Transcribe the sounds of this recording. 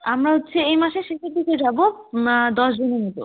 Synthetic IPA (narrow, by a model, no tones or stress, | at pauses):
amɾaɦot̪ːɕʰeejmaʃeʃekeʈ̪ːiked͡ʑabod̪ɔʃd͡ʑonenet̪o̰